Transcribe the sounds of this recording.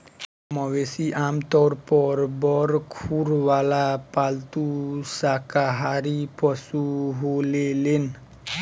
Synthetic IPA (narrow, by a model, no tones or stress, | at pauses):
mɔwesiʔamt̪ɔɾpɔɾbɔɾkʰuɾwalapalt̪usakaɦaɾipɔsuɦolelen